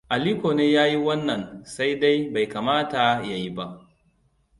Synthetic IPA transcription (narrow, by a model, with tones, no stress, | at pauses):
ʔa˨liː˦koː˨neː˦jaː˦ji˦wɐ˦nːɐ˨nsa˦jda˦jba˨jkaː˨maː˦ta˨ja˨ji˦ba˦ʔ